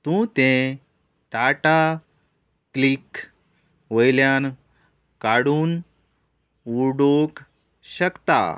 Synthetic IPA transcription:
t̪ũt̪ẽ | ʈaʈa | klik | ʋəjljan | kaɽuːn | uɽok | ɕəkt̪a̰

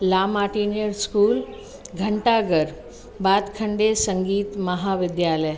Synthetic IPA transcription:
laːmaːʈiːnjəɾskuːl | ɡʱəɳʈaɡəɾ | baːd̪kʰəɳɖesəŋɡiːt̪məɦaʋɪd̪jaːləj

